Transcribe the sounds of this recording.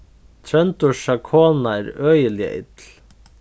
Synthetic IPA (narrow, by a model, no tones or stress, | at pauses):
t̪ʰɾœnt̪ʊʃakʰoːnaɛɾœːjəlɪə̰ʔɪ̰t̪l